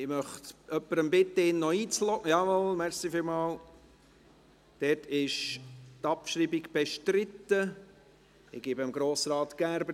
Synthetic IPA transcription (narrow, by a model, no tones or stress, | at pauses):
ɪmœχt̪œpːəɾəmbɪt̪ːəɪnːɔiːt͡slɔɡəjɑʋolmɛɾsifɪlmɑːl | d̥ɛːtʰɪʃtɑpʃɾibiɡb̥ɛʃtɾɪt̪ːə | ɪɡ̥ibəmɡɾoːsɾɑːt̪ɡ̥æɾbə